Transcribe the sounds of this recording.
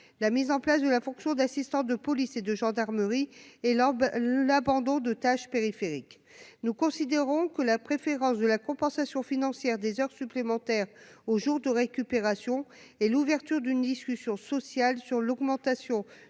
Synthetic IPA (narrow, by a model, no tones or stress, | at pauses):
lamizɑ̃plasd̪əlafɔ̃ksjɔ̃d̪asist̪ɑ̃d̪əpɔlised̪əʒɑ̃d̪aʁməʁiɛ | labɑ̃d̪ɔ̃d̪ət̪aʃpeʁifeʁik | nukɔ̃sid̪eʁɔ̃kəlapχefeʁɑ̃sd̪əlakɔ̃pɑ̃sasjɔ̃finɑ̃sjɛʁd̪ezœʁsyplemɑ̃t̪ɛʁoʒuʁd̪əʁekʲypeʁasjɔ̃ | ɛluvɛʁt̪yʁd̪ynd̪iskʲysjɔ̃sɔsjalsyʁlɔɡmɑ̃t̪asjɔ̃